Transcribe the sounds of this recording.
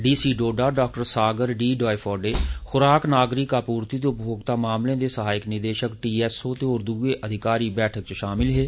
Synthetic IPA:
ɖiːsiːɖoːɖaːɖaːk̚ʈəɾsaːɡəɾɖiːɖɔːepʰɔːɾɖeːxʊɾaːknaːɡɾɪkaːpuːɾt̪iːd̪eːʊpjoːɡt̪aːmaːmlẽːd̪eːsəɦaːɪknɪd̪eːʃəkʈiːɛːsoːt̪eːoːɾd̪uːeːʔəd̪ʱɪkaːɾiːbɛːʈʰək̚t͡ʃʃaːmɪlɦeː

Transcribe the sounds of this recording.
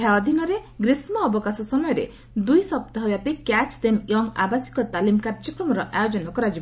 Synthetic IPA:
aɔd̪ʱinɔɾeɡɾismɔːbɔkasɔsɔmɔjɔɾḛ | d̪ujsɔp̚t̪ɔɦɔbjapikat͡ʃd̪emjɔŋa̰basi̥kɔt̪alimkaɾd͡ʒɔkɾɔmɔɾɔʔajod͡ʒɔnɔkɔɾad͡ʒi

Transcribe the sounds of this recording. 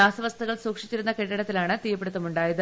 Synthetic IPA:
aːsɐʋɐst̪ɐɣɐɭsuːkʂi̥t͡ɕːiɾunːɐkeʈːɐɽɐt̪ːilaːɳɨt̪ijɐpːeɽut̪ːɐmuɳɖaːjɐðɨ

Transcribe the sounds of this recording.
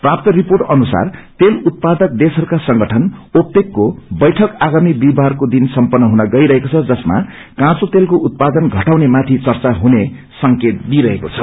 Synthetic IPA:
prap̚t̪ʌriporʈʌnusa̰rt̪elut̪̚pad̪ʌk̚d̪esɦʌɾukasʌŋɡʌʈʰʌnop̚t̪ekːobʌjʈʰʌkaɡamib̪ibʱarkod̪insʌmpʌnːʌɦunʌɡʌiɾʌɦekot͡sʰʌd͡zʌsma̰ | kãt͡sot̪elkoʔut̪̚pad̪ʌnɡʱʌʈawnemat̪ʰit͡sʌrt͡saɦune | sʌŋket̪̚d̪iɾʌɦeko̰t͡sʰʌ

